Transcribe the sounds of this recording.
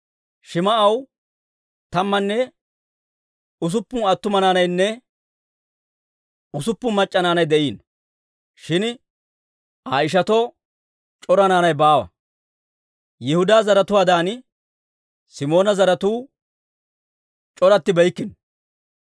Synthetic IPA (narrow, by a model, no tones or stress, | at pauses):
ʃɪmɐʔɐw | t̪ɐmːɐnːɛ | ʊs̬ʊpːʊnɐt̪ːʊmɐnaːnɐjnːɛ | ʊsʊpːʊmɐt͡ʃʼːɐnaːnɐjd̪ɛʔiːn | ʃɪn | aɪʃ̬ɐt̪ɔ | t͡ʃʼɔɾɐnaːnɐjbaːwɐ̰ | jɪhʊd̪aːzɐɾɐt̪ʊwaːd̪aːn | sɪmo̞ːnɐzɐɾɐt̪uː | t͡ʃʼɔɾɐt̪ːɪbɛjkːɪn